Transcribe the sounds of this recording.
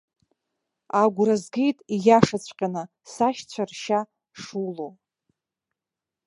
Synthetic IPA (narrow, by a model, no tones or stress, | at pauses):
aɡʷrazɡʲejtʼijaʂat͡sʷʰʼqʲʼanɨ | saʃt͡ɕʷʰarʃa | ʂulo